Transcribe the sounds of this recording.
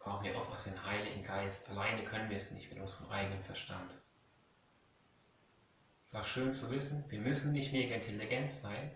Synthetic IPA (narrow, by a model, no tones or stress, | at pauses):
b̥ʁaʊn̩viːɐʔɔ̰ʊftmʔasd̥enhaɪlɪɡŋ̩ɡaɪstʔalaɪnəkʰœnənviɐɛsnɪ̰çtmɪtʔʊnzəʁəmʔa̰ɪɡənənfɛɐʃtʰa̰nt | saʊxʃøːnt͡suvɪsn̩viːɐmʏsn̩nɪçtmeːɡɐɪntʰɛliɡɛntz̥aɪn